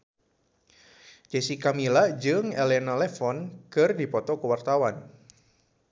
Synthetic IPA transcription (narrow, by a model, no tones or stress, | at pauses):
d͡ʒɛsikamilad͡ʒɨŋɛlɛnalɛfɔnkɨrdipɔt̪ɔkuwart̪awan